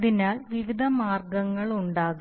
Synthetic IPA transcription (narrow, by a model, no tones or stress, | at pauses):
ðinaːlʋiʋid̪ʱɐmaːrɡɐŋːɐɭuɳɖaːɣ